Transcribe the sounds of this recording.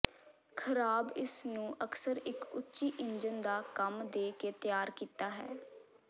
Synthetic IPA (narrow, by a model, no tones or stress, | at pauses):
kʰəɾaːbɪsnũːʔəksəɾɪkʊtːʃiːʔɪɲd͡ʒənd̪aːkəmd̪eːkeːt̪jaːɾkiːt̪aːɦɛ̰ː